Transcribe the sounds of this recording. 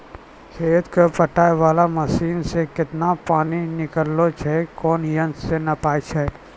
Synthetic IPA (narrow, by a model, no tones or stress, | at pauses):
kʰeːt̪kopəʈaːeʋaːlamɐʃiːnsekɪt̪napaːninɪkəlːot͡ʃʰɛkɔːnjɐ̃nsenɐpaːjt͡ʃʰɛ